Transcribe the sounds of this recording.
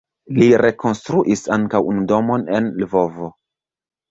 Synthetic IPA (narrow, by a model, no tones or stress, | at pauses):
liɾe̞ko̞nstɾuʔisaŋkawunudo̞mo̞nenlvo̞vo